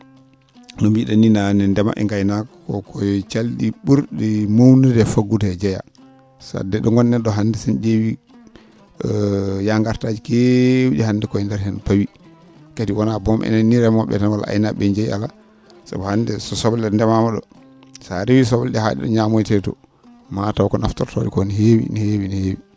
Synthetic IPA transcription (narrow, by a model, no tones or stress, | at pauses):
nɔmbiɗaninanɛndɛma̰ʔɛ̰ŋɡajnak | ɔkʰɔjt͡ʃalɗiɓuɾɗɛmownidɛfaɡutɛd͡ʒɛja̰ | sa̰dɛɗɔŋɡɔnːɛɗɔɦandɛsanɗewi | jaŋɡaɾtad͡ʒikewiɗɛhandɛkɔjɛndɛɾhɛnpawi | katiwɔnabɔmʔɛ̰nɛnːiɾɛmɔɓɛ̰tanwala̰ʔa̰jnaɓɛɲd͡ʒajiala | sa̰bɔhandɛsɔsɔblɛndɛmamaɗɔ̰ | saɾewisɔbɔlɗɛha̰ɗḭɗɔ̰ɲamojtɛtɔ̰ | matawkɔnaftɔɾtɔ̰ɗikɔniɦewḭnihewinihewi